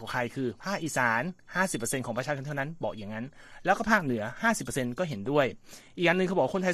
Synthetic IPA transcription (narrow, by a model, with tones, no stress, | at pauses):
ɔː˨˩˦ŋkʰa˧jkʰɯː˧pʰaː˥˩k̚ʔiː˨˧˩saː˩˦nhaː˥˩si˨˩pːə˧se˧nkʰɔː˩˦ŋpɾt͡ɕʰa˧kʰnʰa˥˩na˦˥nbɔː˨˩k̚ja˨˩ŋːa˦˥nlɛː˦˥kɔː˥˩pʰaː˥˩k̚nɯ˩˦ɐhaː˥˩si˨˩pːə˧se˧nkɔː˥˩ɦe˩˦ndu˥˩əjʔiː˨˩k̚ʔaː˧nːɯ˧ŋkʰːbɔ˨˩wa˥ko˧t̪ʰa˧